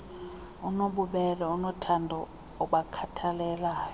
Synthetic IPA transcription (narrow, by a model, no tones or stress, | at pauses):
unoɓuɓɛlaunɔtʰandʱɔ | ɔɓakʰatʰalɛːla